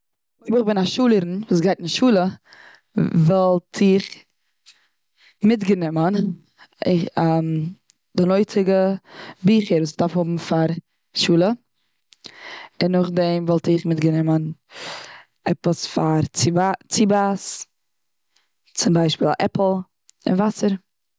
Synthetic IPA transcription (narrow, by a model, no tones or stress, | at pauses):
oɪbɪχbɪnaʃuːlˠəɾn̩vuːs̬ɡaɪtɪnʃuːlˠə | vɔlˠtʰɪχ | mɪtɡənɪmən | ɪam | dɪnɔɪt͡sɪɡəbiːχəɾvuːsɪʁdaɾfhʊbm̩faɾ | ʃuːlˠə | ɪnːʊχdɛmvɔlˠtɪχmɪtɡənɪmən | ɛpəsfaɾt͡sibas | t͡sʊmbaɪʃpiːl̰ˠʔɛpl̩ˠ | ɪ̰nvasəɾ